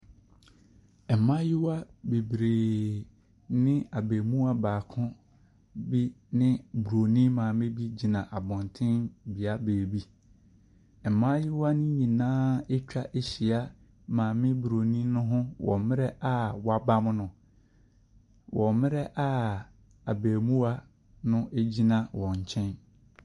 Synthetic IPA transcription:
ɛ˨mã˦jɪ˦wa˦be˨bɾeː˨ | nɪ̃˦a˨be˨mũ˦a˦baː˨kʰʊ̃˦ | bi˦nɪ̃˦bu˨ɾo˨nĩ˦mãː˨mɪ̃˦bi˦d͡ʑi˨nã˨ʔa˨bɔ̃˨ntʰɪ̃˦nbi˨a˦beː˨bi˦˨ | m̩˨mãː˦jɪ˦wa˦nɪ̃˦ɲĩ˨nãː˦e˦t͡ɕᶣa˦ʔe˦ɕi˨a˦ | mãː˨mɪ̃˦bu˨ɾo˨nĩ˦nʊ̃˦ɦʊ̃˦wʔɔ̰̃˨mɪ̃˦ɾɛ˦ʔa˦wɔ˨a˨ba˦m˦nʊ̃˨ | wʔɔ̃˨mɪ̃˦ɾɛ˦ʔa˦ | a˨beː˨mũ˦a˦ | nʊ̃˦ʔe˦d͡ʑi˦nã˨wɔ̃˨ɲ˨t͡ɕʰɛ̃˦n

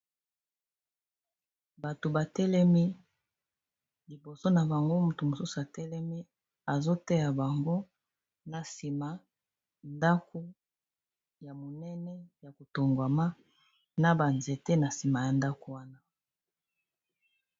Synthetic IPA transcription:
ba˨to˨ba˨tɛ˦lɛ˦mi˦ | li˨bo˨so˦na˨ba˨ŋɡo˦mu˨tu˨mo˨su˦su˨a˨tɛ˦lɛ˦mi˦ | a˨zo˦tɛ˦ja˨ba˨ŋɡo˦ | na˨si˨ma˨ | nda˦ko˦ | ja˨mo˨nɛ˦nɛ˦ja˨ko˨to˨ŋɡwa˨ma˦ | na˨ba˨nze˨te˦na˨si˨ma˨ja˨nda˦ko˨wa˦na˦

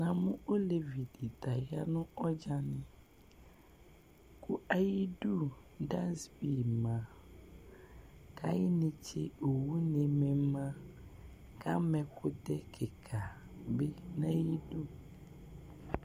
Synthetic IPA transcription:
nã˨mʊ̃˦o˦le˨vi˨di˨ta˨ja˦nʊ̃˦ɔ˦d͡ʒa˦nɪ̃˦ | kʰʊ˦a˦ji˦du˦˨da˦sbi˨mã˨ | kʰa˦jɪ˦nɪ̃˦t͡ʃʰɪ̰˦o˨wu˦nẽ˨mɛ˨mã˦ | kʰa˦mɛ̃˨kʰʊ˦dɛ˦kʰɪ˨kʰa˨ | be˦nã˦ji˦du˦˨

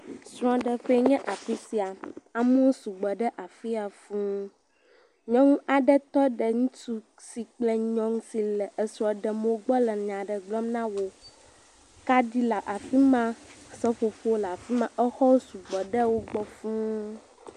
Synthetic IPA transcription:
sɾ̃ɔ̃˨ɖɛ˨ɸe˦ɲɛ̃˦ʔa˨fi˦si˨a˨a˨mũ˦wo˦su˨ɡ͡bɔ˨ɖɛ˦ʔa˨fi˦a˨fũ˦ | ɲɔ̃˦ŋ˦a˨ɖɛ˦t̪ɔ˦ɖɛ˨ŋũ˦tu˦ | si˨k͡plɛ˦ɲɔ̃˦ŋsi˨lɛ˨ʔə˨sɾ̃ɔ̃˨ɖɛ˨m˦wo˦ɡ͡bɔ˦lɛ˨ɲã˨ɖɛ˨ɡ͡blɔ˦mnã˦wo˦ | ka˦di˦la˨ʔa˨fi˦mã˦sɛ˦fo˨fo˦o˦la˨fi˦mã˦ʔɛ˦xɔ˦su˨ɡ͡bɔ˨ɖə˦wo˦ɡ͡bɔ˦fũ˦

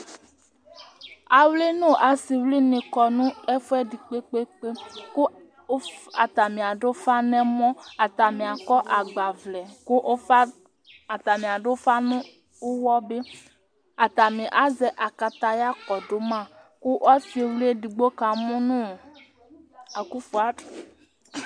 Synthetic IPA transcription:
a˨wle˦nũ˦˨ʔa˨si˨wli˦nĩ˨kɔ˨nũ˦ɛ˦fɛ˦di˨k͡pe˦k͡pe˦k͡pe˦ku˦ | a˨t̪a˨mĩ˨a˨ɖo˦o˦fa˦nɛ̃˦mɔ̃˦a˨t̪a˨mĩ˨a˨kɔ˦ʔa˨ɡ͡ba˨vlɛ˨ku˦ʔ | a˨t̪a˨mĩ˨a˨ɖo˦fa˦nũ˦ | u˦wɔ˦be˦ | a˨t̪a˨mĩ˨ʔa˦zɛ˨ʔa˨ka˨t̪a˨ja˦kɔ˨do˨˦mã˦˨ | ku˦ʔa˦fi˦e˨wli˦e˦di˨ɡ͡bo˦ka˨mũ˦nũ˦˨ | a˨ku˦fu˨a˨˦˨

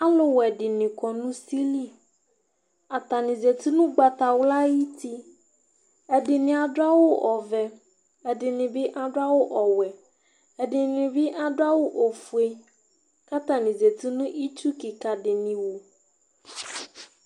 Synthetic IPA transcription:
a˦lo˦wɛ˨ɖɪ˨nɪ̃˨kɔ˨nũ˦si˦li˦ | a˨t̪a˨nɪ̃˨ze˨t̪i˦nũ˦ɡ͡ba˨t̪a˨wla˦ji˦t̪i˦ | ɛ˨dɪ˨nɪ̃˨a˨da˦wo˦ʔɔ˨vɛ˨ | ɛ˨dɪ˨nɪ̃˨bɪ˦ʔa˦da˦wo˦ʔɔ˨wɛ˨ | ɛ˨dɪ˨nɪ̃˨bɪ˦ʔa˦da˦wo˦ʔo˨fu˨e˦ | ka˦t̪ã˨nĩ˨ze˨t̪i˦nũ˦ʔi˦t͡ʃu˦ki˨ka˨ɖɪ˨nɪ̃˨wo˨

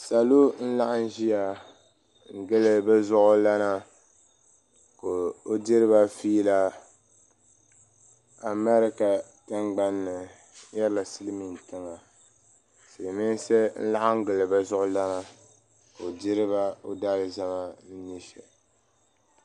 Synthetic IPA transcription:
sa˨lo˦n̩˦la˦ʔa˦n˦ʒi˦ja˨ | ŋ̩˨ɡɨ˦lɨ˨bɛ˦zʊ˦ʔʊ˦la˦na˦ | ko˨o˦di˦ɾɨ˦ba˦fiː˦la˦ | a˨mɛ˦ɾɪ˦ka˨ | tɨ˦ŋɡ͡ba˦nːɨ˨˦ | jɛ˦la˨sɨ˦lɨ˦mi˨n˨tɨ˦ŋa˨ | sɨ˨lmi˦n˦sɛ˦n̩̰˦la˦ʔa˦ŋ̩˦ɡɨ˨lɨ˨bɛ˦zʊ˦ʔʊ˦la˦na˦ | ko˨dɪ˦ɾɨ˦ba˦o˦da˦lɨ˨za˦ma˦n̩˦ni˦ʃɛ˨

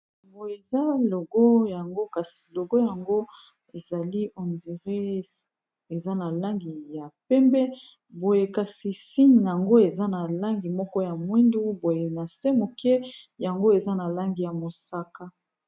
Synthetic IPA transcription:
mbo˨je˨za˦lo˨ɡɔ˦ja˨ŋɡo˦ka˨si̥˨lo˨ɡo˦ja˨ŋɡo˦ | e˨za˨li˦ʔo˨ndi˨ʁe˦ | e˨za˦na˨la˦ŋɡi˨ja˨pɛ˦mbɛ˦ | bo˨je˨ka˨si˨si˦ɲ˨ja˨ŋɡo˦e˨za˦na˨la˦ŋɡi˨mɔ˦kɔ˦ja˨mwi˦ndu˦bo˨je˨na˨sɛ˦mo˨kɛ˦ja˨ŋɡo˦e˨za˦na˨la˦ŋɡi˨ja˨mo˨sa˦ka˦

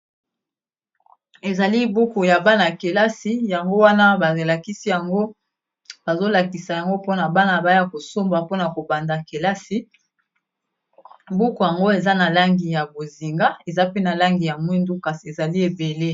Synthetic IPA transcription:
e˨za˨li˦bu˦ko˨ja˨ba˦na˨ke˨la˦si˦ja˨ŋɡo˦wa˦na˦ba˨la˨ki˦si˦ja˨ŋɡo˦ | b̥a˨zo˦la˨ki˨sa˨ja˨ŋɡo˦po˦na˨ba˦na˨ba˦ja˨ko˨so˦mba˨po˦na˨ko˨ba˨nda˨ke˨la˦si˦ | bu˦ko˨ja˨ŋɡo˦e˨za˦na˨la˦ŋɡi˨ja˨bo˨zi˨ŋɡa˦e˨za˦pe˦na˨la˦ŋɡi˨ja˨mwi˦ndu˦ka˨si˨e˨za˨li˦e˨be˨le˦

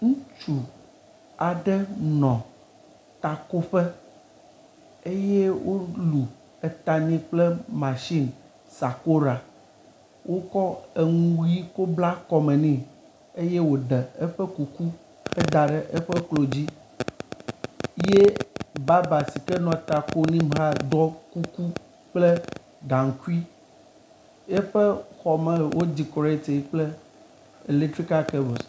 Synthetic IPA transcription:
ŋũ˦t͡ʃu˨ | a˨ɖɛ˦nɔ̃˨ | t̪a˨ko˦ɸɛ˦ | e˦je˦wʔo˦lu˨ | ɛ˨t̪a˨ɲɛ̃˦k͡plɛ˦mã˨ʃi˦˨n | sa˨ko˦ɾa˨ | wʔo˦kɔ˦e˨ŋũ˦wi˦ko˦bla˦kɔ˨mɛ̃˨nĩ˨ | e˦je˦wo˨d̪ɛ˨e˦ɸɛ˦ku˨ku˦ | ɛ˦d̪a˨ɖɛ˦ʔe˦ɸɛ˦klo˨d͡ʑi˦ | je˦ba˦ba˨si˨kɛ˦nɔ̃˨t̪a˨ko˦nĩ˦ba˦˨d̪ɔ˦ku˦ku˦ | k͡ple˦ | ɡã˨ŋ̩˨ku˦i˦ | e˦ɸɛ˦xɔ˨mɛ̃˨wo˦d͡ʑi˨kɔ˨ɾe˦t̪e˨˦k͡plɛ˦ | e˨le˦t̪ɾi˦ka˦ke˦be˨s

